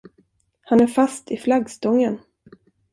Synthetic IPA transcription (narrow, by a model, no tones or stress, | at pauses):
hanæɾfast̪ɪflaɡst̪ɔŋːən